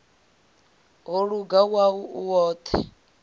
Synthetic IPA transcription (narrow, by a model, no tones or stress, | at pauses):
ɦɔɺuɡawauuwɔːt̪ʰɛ